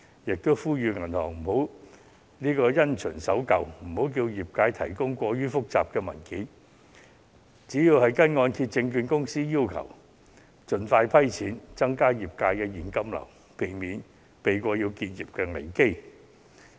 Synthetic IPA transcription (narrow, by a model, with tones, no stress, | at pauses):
jɪ˨k̚t̪o˥wfuː˥jyː˨˧ŋɐ˨˩nhɔː˨˩ŋm̩˨˩ho˨˥w | niː˥kɔː˧jɐ˥nt͡ʃʰœ̰ː˨˩nsɐ˨˥wkɐ˨wm̩˨˩ho˨˥wk̬iː˧wjiː˨˩p̚kaː˧jt̪ʰɐ̰˨˩jkʊ˥ŋkʷɔː˧ɥyː˥fʊ˥k̚t͡saː˨p̚kɛː˧mɐ̰˨˩nkiː˨˥n | t͡siː˨˥jiː˧whɐ˨jkɐ˥nŋɔː˧nkʰiː˧t̚t͡sɪ˧ŋkyː˧nkʊ˥ŋsiː˥jiː˥wkʰɐ̰˨˩w | t͡sɵ˨nfaː˧jpʰɐ˥jt͡sʰiː˨˥nt͡sɐ˥ŋkaː˥jiː˨˩p̚kaː˧jkɛː˧jiː˨˩nkɐ˥mlɐ̰˨˩w | pʰe˨˩jmiː˨˥n | pe˨jkʷɔː˧jiː˧wkiː˧t̚jiː˨p̚kɛː˧ŋḛ˨˩jke˥j